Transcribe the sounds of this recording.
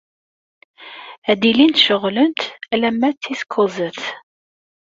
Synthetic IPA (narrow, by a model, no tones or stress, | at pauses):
æd̪ilint̪ʃəʁlənt̪ælæmːæt͡sːiskʰozəθ